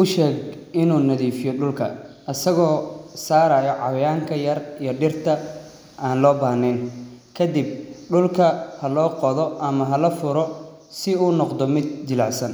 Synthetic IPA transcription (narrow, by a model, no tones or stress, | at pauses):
ʔʊʃɛːɡɪnuːnɐðiːfɪjɔɖʊlkʰɐ̰ʔɐsɐɣɔːsaːɾaːjɔʕɑwɐjaːŋkʰɐjɐrijɔɖɪrt̪ʰɐ | ʔaːnlɔːbaːnɛnkʰɐd̪ɪb̚ɖʊlkʰɐhɐlɔːqɔðɔʔɐmɐɦɐlɐfʊɾɔ | sɪuːnɔqd̪ɔmɪd̪̚t͡ʃɪlaʕsɐn